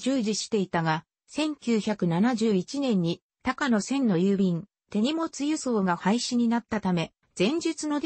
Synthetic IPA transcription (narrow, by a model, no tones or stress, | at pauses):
d͡ʑɨːʑiɕi̥t̪e̞it̪aɡa | sẽ̞ŋkʲɨːçakɯ̟nanaʑɨːit͡ɕinẽ̞ɲ̟ːi | t̪akano̞sẽ̞nːo̞jɯːbʲĩn | t̪e̞ɲ̟imo̞t͡sɨjɯ̟so̞ːɡahaiɕiɲ̟inat̪ːat̪ame̞ | z̥ẽ̞ɲ̟d͡ʑit͡sɨno̞d̪